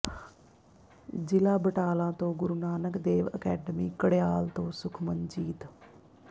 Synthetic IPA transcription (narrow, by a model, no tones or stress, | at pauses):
d͡ʒɪlaːbəʈaːlãːt̪õːɡʊɾuːnaːnəkd̪eːʋəkɛːɖəmiːkəɽejaːlt̪õːsʊkʰmənd͡ʒiːt̪